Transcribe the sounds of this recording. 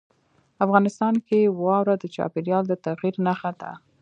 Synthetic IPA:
afɣɑnɪst̪ɑnkewɑwɾad̪ət͡ʃɑ̰peɾjɑld̪ət̪aɣiɾnaxad̪a̰

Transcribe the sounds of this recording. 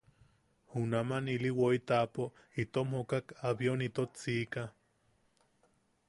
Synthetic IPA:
hunamaniliwoit̪apoʔ | it̪omhokakaβjonit̪ot͡sika

